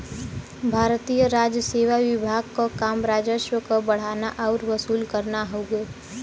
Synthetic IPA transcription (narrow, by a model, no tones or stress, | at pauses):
bʱaːɾt̪ijəɾaːd͡ʒjəseːwaʋɪbʱaːɡ̚kokaːmɾaːd͡ʒəʃwəkobəɽ̤aːnaʔɔːɾʋəsuːlkəɾnaɦoːɡeː